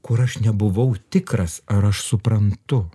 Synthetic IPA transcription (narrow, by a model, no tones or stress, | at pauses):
kʊɾɐʃnʲɛbʊʋɐʊt̪ʲɪkɾɐsɐɾɐʃsʊpɾɐnt̪ʊ